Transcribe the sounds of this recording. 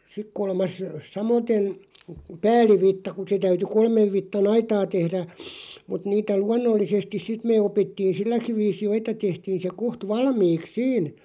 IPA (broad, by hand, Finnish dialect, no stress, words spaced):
sik kolmɑs sɑmoten̞ pæːlˑiʋitːɑ kŭ se tæyty kolmeʋ ʋitːɑn ɑitɑː tehræ mut niːtæ luɑnːolːisestis sit meː opitːiːn̞ silːækiʋ̆ ʋiːsi jo etːæ tehtiːn̞ se koht ʋɑlmiːks siːn